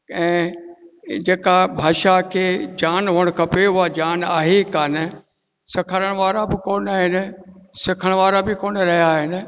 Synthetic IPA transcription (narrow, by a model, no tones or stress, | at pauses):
ɛ̃ː | d͡ʑeːkabʱaːʃakʰeːd͡ʑaːnɦʊəɽ̃kʰɐpeɦʊad͡ʑaːnaːɦekaːnɪ̆ | sɪkʰəɾəɽ̃ʋaːɾabɪkoːnaːɦɪnɪ̆sɪkʰəɽ̃ʋaːɾabɪkoːnɾɐɦijaːɦɪnɪ̆